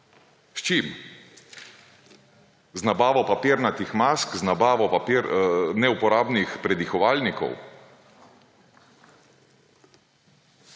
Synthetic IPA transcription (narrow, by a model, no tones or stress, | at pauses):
st͡ʃim | znabaːʋɔpapiːɾnat̪ixmaskznabaːʋɔpapiɾnɛupɔɾaːbnixpɾɛd̪ixɔʋaːlnikɔ̰w